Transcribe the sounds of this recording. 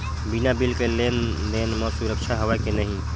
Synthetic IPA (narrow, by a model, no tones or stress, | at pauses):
binabilkelen | lenmɔsuɾəkt͡ʃʰaɦəʋakenəɦĩ